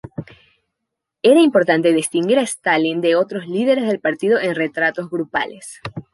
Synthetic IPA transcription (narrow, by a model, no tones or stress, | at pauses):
e̞ɾaimpo̞ɾt̪ant̪e̞ðist̪iŋɡiɾaest̪alind̪e̞o̞t̪ɾozlið̞e̞ɾe̞zðe̞lpaɾt̪ið̞o̞ʔenre̞t̪ɾat̪o̞zɣɾupa̰le̞s